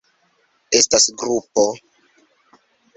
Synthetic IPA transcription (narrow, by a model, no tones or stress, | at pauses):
e̞stasɡɾupo̞